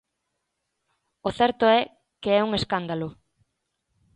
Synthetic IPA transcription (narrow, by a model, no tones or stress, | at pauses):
oθɛɾt̪oɛ | keɛuŋeskand̪alo